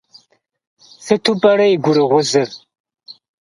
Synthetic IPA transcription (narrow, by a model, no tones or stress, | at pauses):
θɨtʰupʼɐɾɐjɡʷʊɾɨʁʷʊzɨr